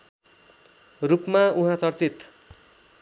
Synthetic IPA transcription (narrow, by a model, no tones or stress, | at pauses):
rupmauɦãt͡sʌrt͡sit̪